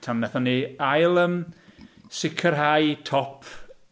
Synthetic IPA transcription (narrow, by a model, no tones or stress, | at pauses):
tʰannɛθɔniajlˠəm | sɪkʰərɦajtʰɔpʰ